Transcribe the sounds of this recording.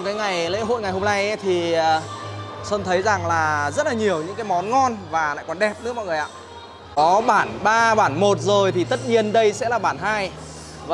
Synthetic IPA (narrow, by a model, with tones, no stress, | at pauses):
ŋ͡mkaː˨˦jŋa˨˩jlḛ˧˥ɦo̰˧˨jŋa˨˩jhɦo˧mna˧jʔt̪ʰi˨˩ə˨˩so˧nt̪ʰə˨˦jza˨˩ŋlaː˨˩zə˦˥t̚laː˨˩ɲi˨˩əwɲɨ̰˧˥ŋkaː˨˦jmɔ˨˦nŋɔ˧nvaː˨˩la̰ː˧˨kɔ˨˩nɗɛ˨˩p̚nɨ̰˦˥kmɔ̰˧˨jŋ˨˩ja̰ː˧˨ | kɔ˨˦ɓaː˧˩nɓaː˧ɓaː˧˩nmo˨˩t̚zo˨˩jt̪ʰi˨˩t̪ə˦˥t̚ɲi˧ənɗə˧jsɛ̰˧˥laː˨˩ɓaː˧˩nɦaː˧j | va˨